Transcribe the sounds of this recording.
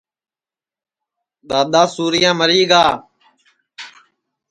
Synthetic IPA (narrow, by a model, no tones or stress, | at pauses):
ɗ̪aːɗ̪aːsuːɾɪjãːməɾiːɡaː